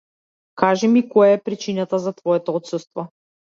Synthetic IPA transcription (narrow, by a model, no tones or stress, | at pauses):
kaʒɛmikɔjaɛpɾit͡ʃinat̪azat̪vɔɛt̪ɔɔt̪sɛst̪vɔ